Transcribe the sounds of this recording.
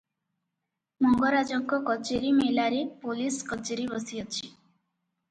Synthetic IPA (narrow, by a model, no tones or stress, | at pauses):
mɔŋɡɔɾad͡ʒɔŋkɔkɔt͡ʃeɾimelaɾepoliskɔt͡ʃeɾibɔsiɔt͡ʃʰi